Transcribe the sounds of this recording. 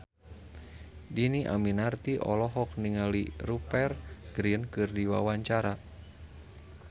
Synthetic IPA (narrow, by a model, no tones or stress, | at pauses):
diniʔa̰minart̪iʔɔ̰lɔɦɔk̚niŋalirupɛrɡ̥ɾiənkɨrdiwa̰waɲt͡ʃaɾa